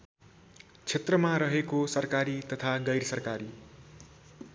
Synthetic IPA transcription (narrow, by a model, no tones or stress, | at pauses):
t͡sʰet̪rʌmaɾʌɦekosʌrkaɾit̪ʌt̪ʰaɡʌjɾsʌrkaɾi